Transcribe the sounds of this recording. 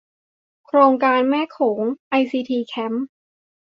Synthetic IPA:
kʰɾoː˧ŋkaː˧nmɛː˥˩kʰoː˩˦ŋʔa˧jsiː˧t̪ʰiː˧kʰɛ˦˥m

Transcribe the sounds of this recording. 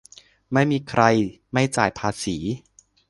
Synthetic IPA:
ma˥˩jmiː˧kʰɾa˧j | ma˥˩jt͡ɕaː˨˩jpʰaː˧siː˩˦

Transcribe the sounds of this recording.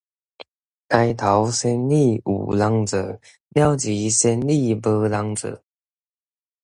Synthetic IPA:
ka˥ɪt̪ʰɑ˨˦ʊsə˥nli˥˩ṵ˨˩lɑ˧˥ŋt͡sə˨˩ | mjɑ˥˩ʊt͡ɕi˨˦sə˥nli˥˨pə˧˦lɑ˧˦ŋt͡sɤ̰˨˩˦

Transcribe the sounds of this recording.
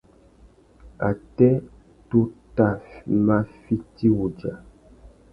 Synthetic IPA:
a˨tɛ˦ | to˦ta˦˨ma˦fi˦ti˦wu˨d͡ʒa˨

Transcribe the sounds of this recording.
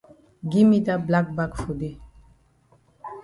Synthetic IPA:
ɡi˦mi˦ta˦bla˦k̚ba˦kfu˨de˦

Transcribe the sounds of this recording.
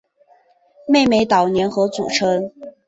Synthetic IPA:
me˥˧ɪme˧˥ɪt̪ɑ˨˩ʊnjɛ˧˥nxɤ˧˥t͡sṵ˨˩ʈ͡ʂʰɤ˧˥ŋ

